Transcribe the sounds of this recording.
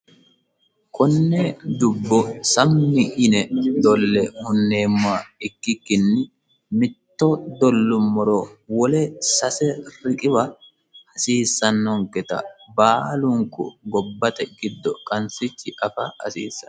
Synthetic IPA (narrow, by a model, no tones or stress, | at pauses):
kʰʼɔnːɛd̪ʊbːɔsɐmːɪʔɪnɛd̪ɔlːɛhʊnːe̞ːmːʊaɪkːɪkːɪnːɪ | mɪt̪ːɔd̪ɔlːʊmːɔɾɔwɔlɛsɐsɛrɪkʼɪbɐ | hɐsiːsːɐnːɔŋkɛt̪ɐ̰baːlʊŋkʊ̰ɡɔbːɐt̪ɛɡ̥ɪd̪ːɔkʼɐnsɪt͡ʃːɪʔɐfɐ̰hɐ̰sḭːsːɐ̥